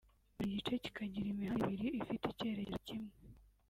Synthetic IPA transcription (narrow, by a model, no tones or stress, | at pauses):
uɾiɟit͡ʃe̞ci̥kʰaɟiɾimiɦaiβiɾijoifitece̞ːɾeɾcimŋe